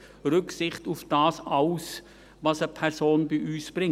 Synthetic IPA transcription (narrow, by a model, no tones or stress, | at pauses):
ɾʏksɪχtufd̥ɑːsɑʊs | ʋɑsəpʰɛɾsoːnbiʔyːsb̥ɾɪŋ